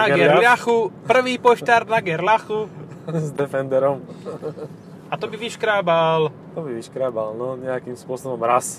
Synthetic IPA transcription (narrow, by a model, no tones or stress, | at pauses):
naɡɛɾlaxupr̩ʋiːpɔʃt̪aɾnaɡɛɾlaxuzd̪ɛfɛnd̪ɛɾɔm | at̪ɔbiʋiʃkɾaːbal | t̪ɔbiʋiʃkɾaːbalnɔɲɛakiːmspʊɔsɔbɔmɾas